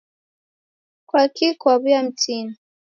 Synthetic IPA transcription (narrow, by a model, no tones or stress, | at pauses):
kwakikwaβjam̩tini